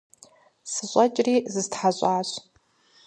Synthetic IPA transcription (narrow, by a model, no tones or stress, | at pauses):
sɨɕʷʼɐt͡ʃʼriːzɨztħaɕʷʼaːɕʷ